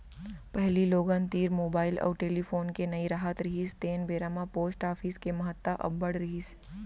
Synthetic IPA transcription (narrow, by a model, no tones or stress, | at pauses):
pɛɦliloːɡənt̪iːɾmoːbaːɪlɔ̰ːʈeːlifʰoːnkenɐiɾaɦət̪ɾɐɦist̪eːnbeːɾaːmãpoːsʈaːfʰiːskemɐɦət̪ːaʔɐ̰bːɐɽɾɐɦiːs